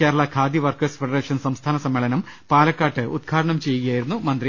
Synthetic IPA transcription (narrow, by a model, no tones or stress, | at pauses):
eːɾɐɭɐkʰaːd̪iʋɐrkɐːsfeɖɐreːʂɐnsɐmst̪ʰaːnɐsɐmːeɭɐnɐmpaːlɐkːaːʈːɨud̪̚ɡʰʱaːɾɐɳɐmt͡ɕe̞juɣɐjaːjiɾunːumɐnd̪ɾi